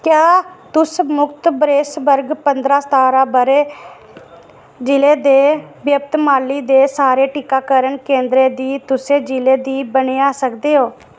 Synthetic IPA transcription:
kjaːt̪ʊsmʊkt̪bɾeːsbəɾɡpənd̪ɾaːst̪aːɾaːbəɾeː | d͡ʒɪleːd̪eːbjəp̚t̪maːliːd̪eːsaːɾeːʈɪkaːkəɾəɳkẽːnd̪ɾeːd̪iːt̪ʊsẽːd͡ʒɪleːd̪iːbəneːaːsəkd̪eːɦoː

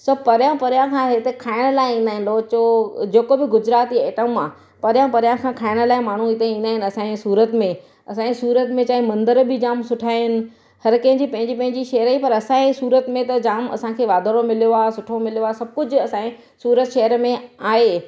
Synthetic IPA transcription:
sɐpɐɾjãpɐɾjãkʰãɦɪt̪ekʰaːɪɽ̃əlaːɪĩːnd̪aːɦɪ̃nloːt͡ɕod͡ʑeːkobɪɡʊd͡ʑɾaːt̪ieːʈəmaː | pɐɾjãpɐɾjãkʰãːkʰaːɪɽ̃ə̆laːɪmaːɳ̤uɪt̪eĩːnd̪aːɦɪnɐsãːẽsuːɾət̪mẽ | ɐsãːẽsuːɾət̪mẽt͡ɕaːɦĩmɐ̃nd̪əɾbʱɪd͡ʑaːmsʊʈʰaːɦɪnɪ̆ | hɐɾkɐ̃ɦɪ̃ɲd͡ʑipɐ̃ɦɪ̃ɲd͡ʑipɐ̃ɦɪ̃ɲd͡ʑiʃeːəɾaːipɐɾɐsãːẽsuːɾət̪mẽt̪ɐd͡ʑaːmɐ̰sãkʰeːʋaːd̪ʱəɾomɪlijoaːsʊʈʰomɪljoaːsɐb̚kʊd͡ʑʱʊ̆ɐsãːẽ | suːɾət̪ʃɐɦəɾmẽaːɦeː

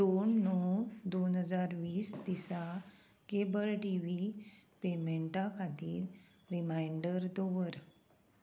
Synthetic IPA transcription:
d̪̥onːɔd̪onɦəd͡zaɾʋiːsd̪isa | kebəlʈiʋipemeɳʈãkʰad̪iːl | ɾimajɳɖəɾd̪ɔʋəɾ

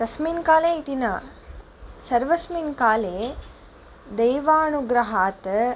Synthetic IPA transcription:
kɐsmiːnkaːleːit̪inɐ | sɐɾʋɐsmiːnkaːleː | d̪ejʋaːnuɡɾɐɦaːt̪

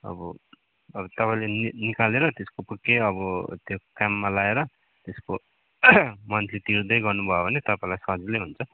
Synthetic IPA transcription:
ʌ̰bʌ̰ | ʌbʌt̪ʌpaĩlennikaleɾʌt̪eskopukːeʌbʌt̪jokamːalaeɾʌ | t̪esko | mʌntlet̪iɾd̪ʌjɡʌrnubʱʌobʱʌnet̪ʌpãĩlajsʌd͡zlejɦunt͡sʰʌ

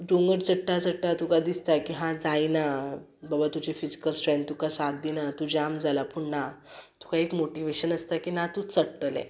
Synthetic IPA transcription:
ɖoŋɡəɾd͡zəʈːad͡zəʈːat̪ukad̪ist̪akiɦãd͡zaina | babat̪ud͡ʑifid͡ʑi̥kəlsʈɾend̪̚t̪ukasad̪inat̪ud͡ʑamd͡zʱalapuɳnat̪u̥kaekmoʈiʋeɕənəst̪akinat̪ut͡səɽʈːlɛ̰̃

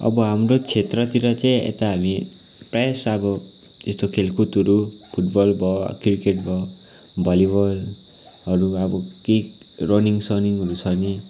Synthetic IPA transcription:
ɔ̰bɔɦamɾot͡ʃʰet̪ɾʌt̪iɾʌt͡ʃãjḛt̪aɦami | pɾesabɔ | t̪est̪okʰelkʰut̪ɔɾu | pʰuʈbɔlbɔkiɾkeʈbɔ | bɔlibɔl | ɔɾuabɔki | ɾoniŋsɔniŋɦɔɾusʰʌni

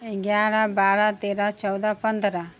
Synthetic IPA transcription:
ɡjaːɾabaːɾat̪eːɾat͡ʃɐwd̪apɐnd̪əɾa

